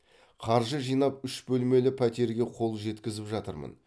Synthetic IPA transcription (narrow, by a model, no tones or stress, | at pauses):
qʰɑɾʒəʒijnɑp̚ʏʃbɵlme̞lɪpʰæt̪e̞ɾɡʲe̞qʰo̞lˠʒe̞t̪kʲɪzɪpʒɑt̪əɾmə̰n